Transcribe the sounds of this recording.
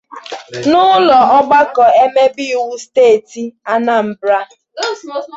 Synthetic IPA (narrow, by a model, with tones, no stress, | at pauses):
nʊ˦lɔ˨ɔ˦ɡ͡ba˦kɔ˨e˦me˦bɪ˦˨wu˦steː˦˨ti˨a˦na˦m̩˨bɾa˦